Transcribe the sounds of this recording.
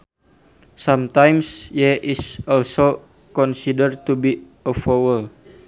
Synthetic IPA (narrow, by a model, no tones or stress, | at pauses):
samt̪ajmsjɛʔisɔlso | kɔnsidərt̪ubi | əfɔwəl